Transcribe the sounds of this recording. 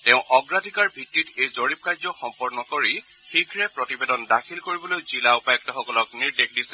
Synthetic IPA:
tɛʊ̃ʔɔɡɹadʱikaɹbʱitːitejzoɹip̚kajzɔxɔmpɔɹnɔkoɹi | xiɡʱɹɛpɹɔtibedɔndakʰilkoɹibɔlojzilaupajɔk̚tɔxɔkɔlɔkniɹdek̚ʰdisɛ

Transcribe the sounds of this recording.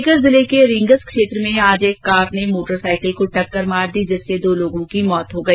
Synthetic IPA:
kəɾzɪlekeɾɪ̃ŋɡəskʃeːt̪ɾəmẽaːd͡ʒeːkːaːpnemoːʈəɾsaːɪkəlkoʈɐkːəɾmaːɾd̪iːd͡ʒɪsːed̪oːloːɡõkimɔːt̪ɦoɡɐi

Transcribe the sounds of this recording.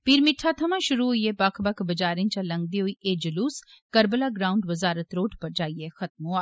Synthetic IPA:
piːɾmɪʈʰːat̪ʰɐmãʃʊɾuɦoiepɐkʰbɐkbɐd͡ʒaːɾẽnt͡ʃalɐ̃ŋɡ̚d̪iɦoiʔeːd͡ʒɐluːskɐɾbəlaːɡɾaːʊ̃ɳɖʋɐzaːɾət̪ɾoːʈʰpɐɾd͡ʒaːiexɐt̪̚mõaː

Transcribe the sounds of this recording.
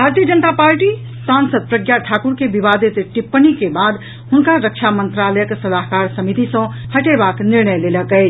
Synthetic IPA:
bʱaɾt̪ijəd͡ʒənt̪apaɾʈi | sansəd̪̚pɾəɡjaʈʰakuɾkebibad̪it̪ʈipːənikebad̪ | hunkaɾəkʃʰamənt̪ɾaləjəksəlaɦkaɾsəmit̪isʌ̃həʈebakniɾɳəjleləkəɪt͡ʃʰ

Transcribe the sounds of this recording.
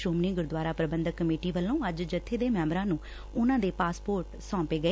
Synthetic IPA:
ʃoːmnĩːɡʊɾd̪waːɾaːpɾəbənd̪əkːəmeːʈiːʋəlːõːəd͡ʒd͡ʒət̪ʰːeːd̪eːmɛ̃ːmbɾãːnũː | ʊnãːd̪eːpaːspoːɾʈsɔ̃ːpeːɡəeː

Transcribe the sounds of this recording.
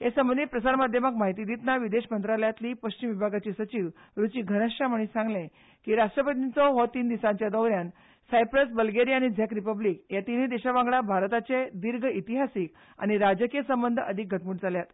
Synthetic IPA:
ɦesəmbənd̪it̪pɾəsaɾmad̪ʱjəməkmaɦit̪iːd̪it̪naʋid̪eɕmənt̪ɾaljat̪liːpəɕt͡ɕimʋibʱaɡat͡ɕisət͡ɕiʋ | ɾut͡ɕiːɡʱənəɕʈaməɽ̃iːsãŋɡlẽ | kiːɾaʂʈɾəpət̪int͡sɔɦɔt̪iːnd̪isãɲt͡ɕjad̪əwɾjan | sajpɾəsbəlɡeɾiaɽ̃id͡zʱjakɾipəblikjat̪iniːd̪eɕaʋãŋɡɭabʱaɾt̪at͡sed̪iɾɡʱəit̪iɦasik | a̰ɽ̃iɾad͡ʑəkiesəmbənd̪ʱəəd̪ʱik̚ɡʱəʈmuːʈd͡zʱaljat̪

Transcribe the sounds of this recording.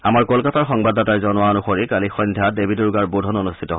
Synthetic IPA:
amaɹkolkataɹxɔŋbadatajzɔnʊwaɔnuxoɹikalixɔjndʱjadebʱiduɹɡaɹbudʱɔnɔnustʰitɔɦ

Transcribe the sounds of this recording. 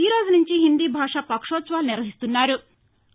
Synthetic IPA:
t̪iːɾod͡znuɲt͡ɕiːɦind̪iːbʱaʂapɐkʂot͡sʋalniɾəɦist̪unːaɾuː

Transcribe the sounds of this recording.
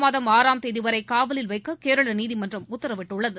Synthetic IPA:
maːðɐmaːɾaːmt̪ɛðɪʋɐɾɐɪkaːʋɐlɪlʋɐɪkːɐkeːɾɐɭɐniːðimɐndrɐmʊt̪ːɐɾɐʋɪʈːɯɭːɐðɯ

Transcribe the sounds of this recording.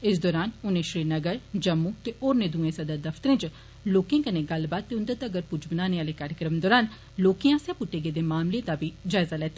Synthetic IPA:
ɪsd̪ɔːɾaːnʊnẽːʃɾiːnəɡəɾd͡ʒəmːũːt̪eʔoːɾnẽːd̪ũːẽːsɐd̪ad̪ɐft̪əɾẽːd͡ʒ | loːkẽːkənẽːɡɐlbaːt̪ːeʊ̃nd̪ət̪əɡəɾpʊd͡ʒbənaːneːaːlekaːɾjəkɾəmd̪ɔːɾaːn | loːkiãːsɛ̃ːpʊʈːeːɡeːd̪eːmaːmled̪aːbʱiːd͡ʒaːɪzaːlɛːt̪eː

